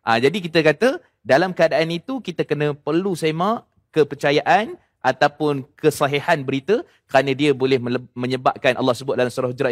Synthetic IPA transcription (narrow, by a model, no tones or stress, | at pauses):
ʔad͡ʒadikit̪əkat̪ə | dalamkəadaʔanit̪ukit̪əkənə̃pərlusemãʔ | kəpərt͡ʃajaʔan | ʔat̪awpʊnkəsaɦehanbəɾit̪ə | kəɾanə̃diəbolɛhmə̃ɲəba̰p̚kanʔa̰lːɑhsəbʊt̪̚dalamsuɾahɦud͡ʒɾaʔ